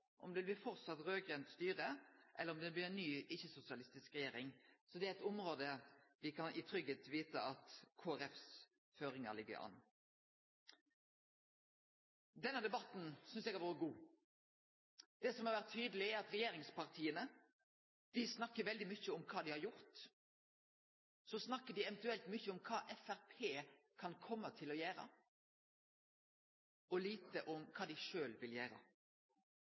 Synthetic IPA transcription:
ʔɔmd̪ɛɪlblɪfɔɾt̪sɑt̪ɾøːɡɾɛnt̪st̪yːɾəʔɛ̰lːəɾɔmd̪ɛblɪːɾɛnːyːɪçːəsʊsɪɑlɪst̪ɪskɾɛjeːɾɪŋsɔd̪ɛæɪt̪ʊmɾoːd̪əʋɪkʰɑnʔɪt̪ʰɾʏɡət̪ʋiːt̪əɑt̪kʰoːæɾɛfs | føːɾɪŋə̰lɪɡːə̰ɾɑ̰nː | d̪ɛnːəd̪ɛbɑt̪ːn̩sʏnsɛɡæɾʋoːɾəɡuː | d̪̥ɛsɔmhɑɾʋæʁt̪ʰːyːd̪əlɪæɾɑt̪ɾɛjeːɾɪŋspʰɑʁt̪ʰiːənə | d̪̥ɪsnɑkːəʋɛld̪ɪmʏçːəɔmkʰɑːd̪ɪhɑɾjʊʁt̪ | sɔsnɑkːəɖɪɛʋənt̪ʉɛlt̪mʏçːəɔmkʰɑːʔɛfæʁpʰeːkʰɑnkʰɔmːət̪ʰɪlɔjæːɾə̰ | ɔliːt̪əʔɔmkʰɑːd̪ɪʃøːlʋɪljæːɾə̰

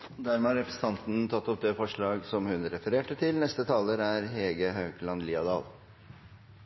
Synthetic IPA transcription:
d̪æɾmɛːhɑɾɛpɾəsən̩t̪ʰɑnt̪n̩t̪ʰɑt̪ːɔp̚d̪ɛfɔʂɭɑːɡsɔmhʉnɾɛfəɾeːʈət̪ʰɪlnɛst̪ət̪ʰɑːləɾæɾheːɡəɦɑʉklɑnliːɑd̪ɑ̰ːl

